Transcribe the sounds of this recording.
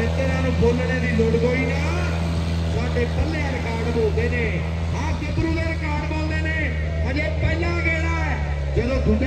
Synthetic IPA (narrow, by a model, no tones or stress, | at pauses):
eːt̪eːɾaːnũːboːlɽeːd̪iːloːɽɡoːiːnaː | t̪aːɖeːpəlːeːɾkaːɾɖboːld̪eːneː | aːkepɾũːleɾkaːɖboːld̪eːneː | əneːpəlaːɡeːɽaːɛː | d͡ʒəd̪õːɡʱʊɡ